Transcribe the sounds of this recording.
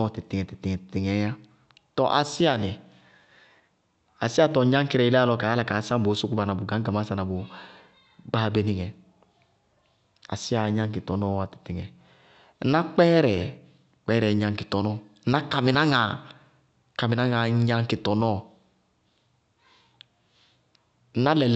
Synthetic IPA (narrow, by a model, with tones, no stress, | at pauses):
ɔ˦˨tɪ˨ti˨ŋɛ˨ti˨ti˨ŋɛ˨tti˨ŋɛ˨˦a˦ | tɔ˨ʔa˨si˦a˨nɛ˨ | a̰˨si˦a˦tɔ˨˦ɲã˦ŋ˦ki˦ɾɛ˨i˦llɔ˧˦ka˨˦a˦la˦ka˨˦sã˦m˨bo˨˦su˦ku˦ba˨na˨bʊ˨ɡã˨˦ɡa˨ma˦sa˦na˨bʊ˨ | ba˦be˨ni˨ŋɛ˨ | a̰˨si˦a˨˦ɲã˦ŋ˦ki˨tɔ˨nɔ˦˨a˨ti̥˨ti˨ŋɛ˨˦ | na˦k͡pɛ˦ɾɛ˨ | k͡pɛ˦ɾɛ˨ɲã˨ŋki˨tɔ˨nɔ˦n̩˦a˦ka˨mi˨na˦ŋa˨ | ka˨mi˨a˦ŋa˨˦ɲã˦ŋ˦ki˨tɔ˨nɔ˦˨ | n̩˦a˦lɛ˨